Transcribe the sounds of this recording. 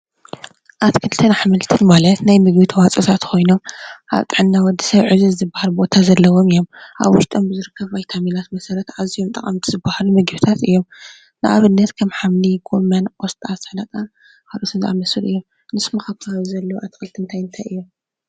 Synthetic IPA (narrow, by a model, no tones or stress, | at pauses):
ʔat̪kʰɨlt̪ʰɨnaħmɨlt̪ʰɨnmalɐt̪najmɨɡbɨt̪ʰwat͡sʼɨt̪ʰat̪kʰo̞jno̞mʔa̰βt̪ʼɨʕɨnːawɔd̪isɐβʕɨzuɨzɨbahalbo̞t̪ʰazɐlːɐwo̞mɨjo̞mʔa̰βwʊʃt̪ʼombɨzɨɾɨkʰːɐβvajt̪ʰamilat̪mɐsɐɾɐt̪ʕazijomt̪ʼɐχʼɐmt̪ʰizɨbahalumɨɡβɨt̪ʰat̪ɨ̰jːo̞m | nɨʔa̰βɨnːɐt̪kʰɐmħamniɡomɐnost̪ʼasnɐkʼa | kʰalʔot̪ʰɨnzia̰mɐsɨlɨ̰jːo̞m | nɨsmɐxaβkʰaaβzɐlːɐwuʔat̪ʰɨ̥xɨlt̪ʰiɨnt̪ʰajɨnt̪ʰajɨjːo̞m